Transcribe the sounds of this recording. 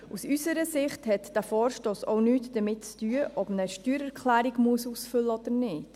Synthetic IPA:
ʔusysəɾəsɪχthɛtd̥æfɔːɾʃtoːsɔʊnyːtd̥əmɪt̚t͡styəʔɔbnəʃtyːɾɛɾkχlæːɾiɡmuəsusfʏlːəɔd̥̪əɾnɪːt

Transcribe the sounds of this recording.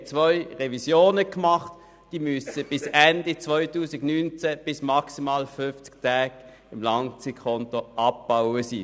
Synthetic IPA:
t͡svœʏʁevisjoːnəkmɑχt | d̥iːmʏsəb̥ɪsɛndit͡svɔʏtuːsɪɡnynt͡sɛb̥ɪsmɑksimaːlfʏnft͡sktʰæːɡ̥ | ɪmlɑŋt͡sikʰɔntoʔɑp̚b̥aʊəsḭː

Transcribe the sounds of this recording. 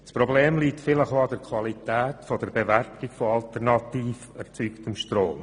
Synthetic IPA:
sprɔbleːmliːktfɪləχoɑdəɾkʰvɑlitɛːtfodəɾbevæɾtɪkfoɑltɛɾnɑtiːfɛɾt͡syːktəmʃtroːm

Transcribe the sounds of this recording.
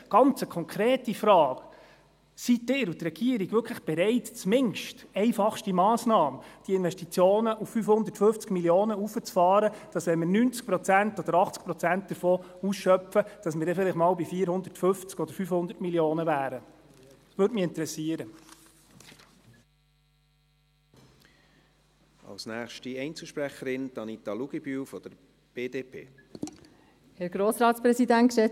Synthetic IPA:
ɡ̥ɑnt͡səkʰɔŋkʰɾeːtifɾɑːk | sitːɪːɾut̪rɛɡ̥iəɾiɡʋʏkʰləχb̥ɛɾɛɪtt͡smɪŋʃtɛɪfɑχʃtimɑːsnɑːməd̥iɪnvʋɛʃtit͡sjoːnəʔuffyfhʊnd̪əɾtfɵft͡skmiljoːnəufət͡sfɑːɾəd̥ɑsʋɛnmɪɾnynt͡sk̚pɾɔt͡sæntɔd̪əɾɑχt͡sk̚pɾɔt͡sænt̚d̥̪əɾfoːusʃœpfəd̥ɑsməɾdɛfɪlɪχmɑːlbifiːəɾhʊnd̪ətfʏnft͡skɔd̪əɾfyfhʊnd̪əɾtmiljoːnəʋæːɾə | sʋøːdmiɪnt̪əɾɛsiəɾə | ɑ̰lsnæːχʃtiɛɪnt͡sl̩ʃpɾæχəɾɪnd̥ɑnit̪ɑluɡ̥ibyːfɔd̥̪əɾ | b̥eːdeːpʰḛː | hɛɾɡ̥ɾoːsɾɑːtspɾɛsidæntʃɛ

